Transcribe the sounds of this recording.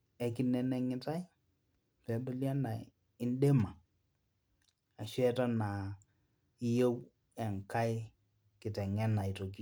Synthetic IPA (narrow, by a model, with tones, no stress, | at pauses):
ɛ˨kɪ˨nɛ˨nɛ˨ŋɪ˦ta˦ɪ˦ | pɛ˨bɪ˦lja˦na˨ | ɪ˦nde˦ma˨ | a˨ʃwɛ˦ta˦na˨ | i˦jo˦w | ɛ˨ŋka˦ɪ˦ | kɪ˨tɛ˨ŋɛ˦na˨jto˨ki˦